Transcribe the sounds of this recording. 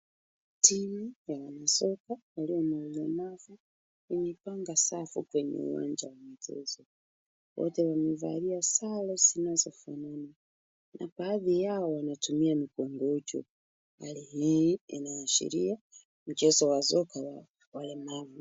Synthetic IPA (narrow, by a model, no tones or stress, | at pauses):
timujawanasɔkawaliɔmailɔmavu | inɛpaŋɡasafṵkwɛɲɛ̰ṵwa̰ɲd͡ʒawamit͡ʃɛ̰zɔ | wɔ̰tɛwamivaɾiasalɔzinazɔfanana | nʔa̰paːðijaɔwanatumiamikɔŋɡɔt͡ʃɔ̰ | ha̰lihiḭnajaʃḭɾia | m̩t͡ʃɛzɔwazɔkawa | walɛmavu